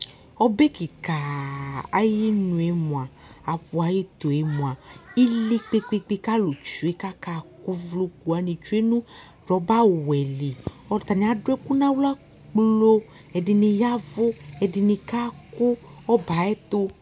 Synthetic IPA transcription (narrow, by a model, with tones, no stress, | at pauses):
ɔ˦be˦ki˨ka˨a˦ji˦nũ˨e˨mũ˨a˨ | a˨ɸu˨a˨ji˦t̪o˨e˨mũ˨a˨i˦li˦k͡pe˦k͡pe˧k͡pe˧ka˦lo˨t͡ʃu˨e˦ka˦ka˦˨ku˦vlu˧ku˨a˨ni˨t͡ʃu˦e˦nũ˦ | ɾɔ˨˦ba˦˨wɛ˨li˨ | ɔ˦˧˨t̪a˨nĩ˨˦a˨dɛ˦ku˦nã˦wla˦ | k͡plo˦ | ɛ˨di˧ni˧ja˦vo˦ɛ˨di˧nĩ˧ka˦ku˦ɔ˦ba˨ɛ˦t̪ʊ˦